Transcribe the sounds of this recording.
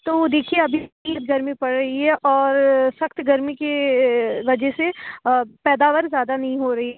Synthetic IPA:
t̪oːd̪eːkʰieɐbʱiiːət̪̚ɡɐɾmipɐɽɾɐɦiɦɛʔɔːɾsɐxt̪ɡɐɾmike | ʋɐd͡ʒəɦse | pɛːd̪aːʋəɾzjaːd̪anɐɦĩɦoɾɐɦiɦɛ

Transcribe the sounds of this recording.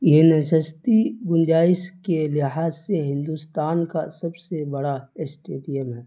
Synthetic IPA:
jenəʃəst̪iɡʊnd͡ʒaːɪskelɪɦaːzseɦɪ̃nd̪ust̪aːnkasɐbsebɐɽasʈeːʈijəmɦɛː

